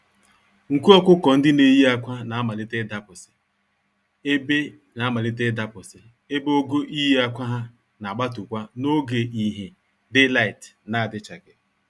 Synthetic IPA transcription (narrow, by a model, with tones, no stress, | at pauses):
ŋ̩˨ku˦ɔ˦kʷʊ˦kɔ˨n̩˦dɪ˦ne˨˦ji˦a˦kʷa˦na˨a˦ma˨lɪ˦te˦da˦pʊ˨sɪ̥˨ | e˦be˦ | na˨a˦ma˨lɪ˦te˦da˦pʊ˨sɪ˨ | e˦bo˦ɡo˦ʔi˦ji˦a˦kʷa˦ɦa˦ | na˨ɡ͡ba˦tʊ˨kʷa˦no˦ɡe˨i˦ɦe˨ | dɪ˦la˦i˨tna˨a˨dɪ˦t͡ʃa˨ɡɪ˨